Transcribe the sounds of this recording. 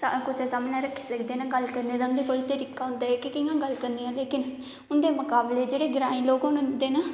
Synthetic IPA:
sakʊseːsaːmnãːɾəkʰːi̥ːsəkʰd̪eːnãːɡəlkəɾneːd̪aːʊnd̪eːkoːliːt̪əɾiːkaːɦʊ̃nd̪aːɦɛːkɪkɪãːɡəlkəɾnd̪iːjãːleːkɪn | ʊnd̪eːmʊkaːbleːd͡ʒeːɽeːɡɪɾaːĩːloːɡɦʊnd̪eːnaː

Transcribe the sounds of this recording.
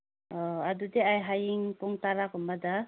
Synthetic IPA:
ɔadudeajɦajiŋpɔŋtaɾakɔmbada

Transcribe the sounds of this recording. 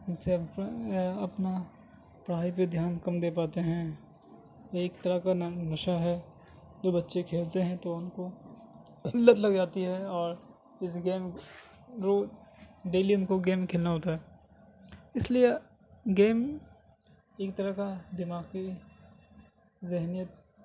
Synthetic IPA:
ʊnse | ɐpna | pɾ̤aːip̬ed̪ʱjaːnkɐmd̪eːpaːt̪eɦɛ̃ | eːkt̪ɐɾəkanɐʃaɦɛ | d̪oːbɐtːʃekʰeːlt̪eɦɛ̃t̪oʊnko | ɐlːət̪lɐɡd͡ʒaːt̪iɦɛɔːɾ | ɪsɡeːm | ɾoːɖeːliʊnkoɡeːmkʰeːlnaɦoːt̪aɦɛː | ɪslie | ɡeːm | eːkt̪əɾəkad̪ɪmaːɡki | zɪɦnijət̪̚

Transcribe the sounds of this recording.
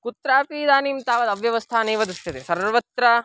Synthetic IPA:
kut̪ɾaːpiːd̪aːniːmt̪aːʋɐd̪ɐʋjɐʋɐst̪ʰaːneːʋɐd̪ist̪ɐt̪esɐɾʋɐt̪ɾɐ

